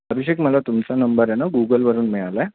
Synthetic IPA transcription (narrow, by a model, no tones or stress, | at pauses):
əbiɕekməlat̪umt͡sanəmbəɾɦɛnaɡuɡəlʋəɾuːnmiɭalaɛ